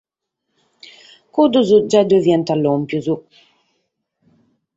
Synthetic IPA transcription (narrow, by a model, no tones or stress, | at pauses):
kud̪uzud͡ʒad̪uvjɛnt̪alːompjuzu